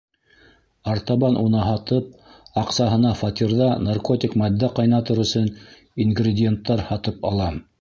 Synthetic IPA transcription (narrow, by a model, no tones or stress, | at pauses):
ɑrt̪aβɑnʔunɑɦɑt̪ɤp̚ɑqsɑɦɤ̆nɑfɑt̪ʲirðɑnarko̞t̪ʲikmɑd̪ːæqɑjnɑt̪ɤɾɵ̆sɵn | inɡrʲɪdʲɪent̪ːɑɾhɑt̪ɤpɑlˠɑm